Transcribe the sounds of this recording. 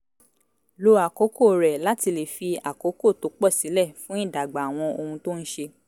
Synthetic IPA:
lo˧a˨ko˨˦ko˦˨ɾɛ˨la˦ti˧le˨fi˧a˨ko˨˦ko˦˨to˨˦k͡pɔ˦˨si˨˦lɛ˦˨fũ˦i˦˨da˨ɡ͡ba˨w̃ɔ̃˧o˧hũ˧to˦n̩˦ʃe˧

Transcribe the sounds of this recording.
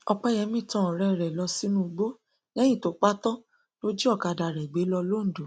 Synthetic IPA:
ɔ˧k͡pɛ˦jɛ˨˦mĩ˦˨tɔ̃˦˨ɾɛ˨ɾɛ˨lɔ˧si˦nũ˧ɡ͡bo˦ | nɛ̃˦j̃ĩ˦˨to˨˦k͡pa˦tɔ̃˦ | to˦d͡ʒi˦ɔ˦˨ka˧da˧˨ɾɛ˨ɡ͡be˨˦lɔ˧lo˦n̩˨do˨

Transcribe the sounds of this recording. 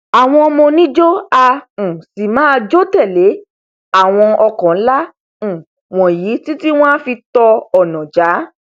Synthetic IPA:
a˨w̃ɔ̃˧mõ˧nĩ˦d͡ʒo˦ã˧˨si˨mãː˦˧d͡ʒo˦tɛ˦˨le˨˦ | a˦˨w̃ɔ̃˧ɔ˧kɔ̃˨˦lã˦˨ | w̃ɔ̃˨ji˨˦ti˦ti˦w̃ɔ̃˦fi˧tɔ˧ɔ˨nɔ̃˨d͡ʒa˨˦

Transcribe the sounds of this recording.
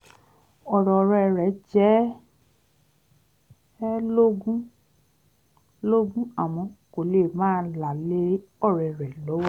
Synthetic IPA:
ɔ˨ɾɔ˨˧ɾɛ˧˨ɾɛ˨˦d͡ʒɛ˦ | lo˦ɡũ˦ | lo˦ɡũ˦a˨mɔ̃˨˦ko˨leː˨mãː˦la˨le˦ɔ˦˨ɾɛ˨ɾɛ˨lo˨˦wa˦

